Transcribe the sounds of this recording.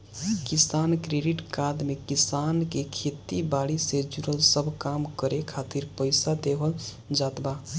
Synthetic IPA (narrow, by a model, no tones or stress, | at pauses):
kisankɾeɖiʈkad̪mekisankekʰet̪ibaɽised͡ʒuɾəlsəbʱkamkəɾekʰat̪iɾpəɪsad̪ebəl | d͡ʒat̪ba